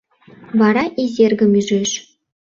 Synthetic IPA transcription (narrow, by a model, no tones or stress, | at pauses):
ʋɑɾɑʔizʲerɡʲɘ̆myzeʃ